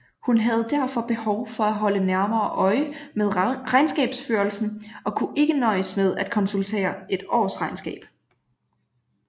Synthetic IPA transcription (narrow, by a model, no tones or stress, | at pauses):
hunɦæð̞̩ˠd̥æɐ̰fɒ̽b̥e̝hɒʊfɒ̽æɦɒ̽lənæɐmɐːʔɒ̽ɪmeð̞ˠʁɑ̈ɪnsɡ̥ɛ̰ːb̥sføːɐlsn̩ɒ̽kʰuʔe̝ɡ̥ənɒ̽ɪsmeð̞ˠæd̥̚kʰɒ̽nsult͡sʰe̝̰ːɐe̝d̥ɒ̰ːsʁɑ̈ɪnsɡ̥ɛ̰ːb̥